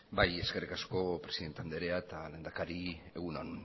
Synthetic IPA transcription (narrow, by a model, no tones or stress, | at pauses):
baje̞ske̞rikasko̞pɾe̞siðet̪eand̪eɾeaet̪alend̪akaɾie̞ɣunon